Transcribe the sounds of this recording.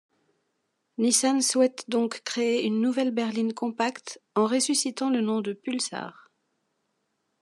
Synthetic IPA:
nisanswɛt̪d̪ɔ̃kːχeeynːuvɛlbɛʁlinkɔ̃pakt̪ɑ̃ʁesysit̪ɑ̃lənɔ̃d̪əpylsa̰ːʁ

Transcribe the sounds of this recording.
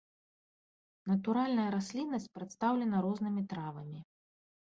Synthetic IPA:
nɐt̪uɾalʲnɐjɐɾasʲlʲinːɐsʲt͡sʲpɾɐt̪st̪awlʲɛnɐɾɔznɨmʲit̪ɾavɐmʲi

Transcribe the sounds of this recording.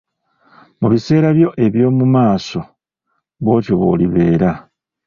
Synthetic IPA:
muβise̞ːɾaβjo̞ʔe̞βjo̞ːmumaːso̞ | βo̞ːtoβo̞̰ːliβe̞ːɾa

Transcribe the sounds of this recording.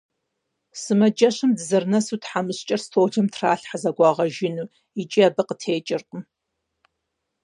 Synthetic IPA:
sɨmɐd͡ʒɐɕɨmdɨzɐrnɐsuːtħamɨɕt͡ʃʼɐrstʰoːʒɐmtʰraːɬħazɐɡʷɑːʁɐʒɪnuː | it͡ʃʼiaːbɐqətʰeːt͡ʃʼɪrqʼəm

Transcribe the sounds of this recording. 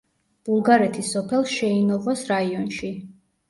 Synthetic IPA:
b̥ulˠɡaɾɛt̪ʰisɔpʰɛlˠʃɛinɔʁɔsɾaiɔnʃi

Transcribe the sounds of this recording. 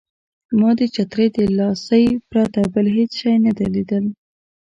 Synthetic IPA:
mɑd̪ət͡ʃat̪ɾəjd̪əlɑsəjpɾat̪abəlɦet͡sʃɑjnad̪alid̪əl

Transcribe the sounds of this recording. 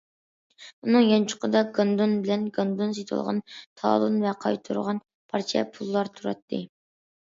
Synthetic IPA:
unɨŋjɑnt͡ʃʰʊ̥qəd̪ɑɡɑnd̪onbɪlɛnɡɑnd̪ons̬et̪ʰɨ̰lˠʁɑ̰nt̪ʰɑ̰lˠunvɛqʰɑ̰jt̪ʰuɾʁɑn | pʰɑɾt͡ʃʰɛ̰pʰulˠːɑɾt̪ʰuɾɑt̪ʰːɨ

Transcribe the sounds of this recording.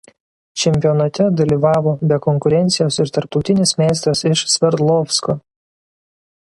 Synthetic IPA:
t͡ʃʲɛmʲpʲijɔnɐt̪ʲɛd̪ɐlʲiːʋɑːʋoːbʲɛkɔŋkʊɾʲɛnʲsʲɪjoːsɪɾt̪ɐɾp̚t̪ɒʊt̪ʲɪnʲɪsmʲeːs̬t̪ɾɐsɪʃsʲʋʲɛɾd̪lˠɔfsko

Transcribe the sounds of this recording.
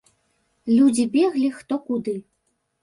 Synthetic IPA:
lʲud͡zʲibʲɛɣlʲixt̪ɔkud̪ɨ

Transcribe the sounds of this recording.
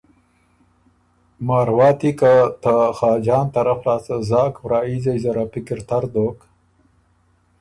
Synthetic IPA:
mɑːɾwɑːt̪ikat̪axɑːd͡ʒɑːnt̪aɾaflɑːsazɑːkwɾɑːizajzaɾapɪkɪɾt̪aɾd̪oːk

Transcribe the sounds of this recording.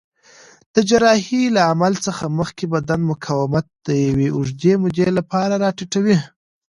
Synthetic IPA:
d̪̥əd͡ʒaɾɑhilaamalt͡səxaməxkebad̪anmʊkʰawɪmat̪̚d̪̥əjaweʊʒd̪emʊd̪elapɑɾaɾɑʈiʈawi

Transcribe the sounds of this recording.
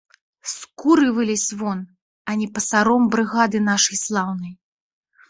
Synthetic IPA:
skuɾɨvɨlʲisʲvɔn | ɐnʲɛpɐsaɾɔmbɾɨɣad̪ɨnaʂɐjslˠawn̪ɐj

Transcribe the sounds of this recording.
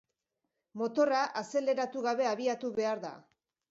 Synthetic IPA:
mo̞t̪o̞raʔase̞le̞ɾat̪uɣaβe̞aβiat̪uβe̞aɾða̰

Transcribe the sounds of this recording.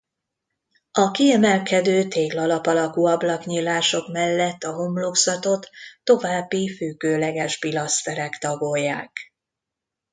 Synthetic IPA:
ɒkiɛmɛlkɛd̪øːt̪eːɡlɒlɒpɒlɒkuːɒblɒkɲiːlːaːʃo̞kmɛlːɛt̪ːɒɦo̞mlo̞ksɒt̪o̞t̪ːo̞vaːbːifyɡøːlɛɡɛʒbilɒst̪ɛɾɛkt̪ɒɡoːjːaːk

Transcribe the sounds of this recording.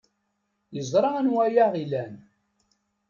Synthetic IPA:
jəzˤɾˤɑnwæjaʁilæn

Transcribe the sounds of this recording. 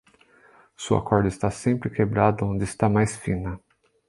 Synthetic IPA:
sewa̰kɔɾd̪ʊɪst̪asẽmpɾɪkebɾad̪ʊõnd͡ʒ̪ɪːst̪amajsfĩnɐ

